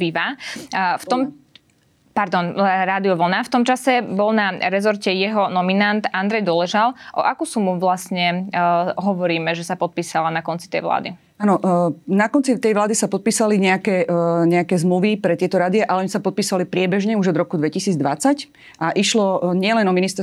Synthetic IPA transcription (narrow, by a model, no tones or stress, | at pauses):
iʋa | ft̪ɔm | paɾd̪ɔnɾaːd̪iɔʋl̩naft̪ɔmt͡ʃasɛbɔlnaɾɛzɔɾcɛjɛɦɔnɔminant̪and̪ɾɛjd̪ɔlɛʒalʔɔ̰ʔakusumuʋlasɲɛ | ɦɔʋɔɾiːmɛʒɛsapɔt̪̚piːsalanakɔnt͡si̥t̪ɛ̰jʋla̰ːd̪ḭ | aːnɔnakɔnt͡sit̪ɛjʋlaːd̪isapɔt̪̚piːsaliɲɛakɛːɲɛakɛːzmluʋipɾɛt̪ɪɛt̪ɔɾaːd̪iaʔalɛɔɲisapɔt̪̚piːsalipɾɪɛbɛʒɲɛuʒɔd̪ɾɔkud̪ʋɛcisiːd͡zd̪ʋat͡sac | ʔaʔiʃlɔɲɪɛlɛnɔminist̪ɛ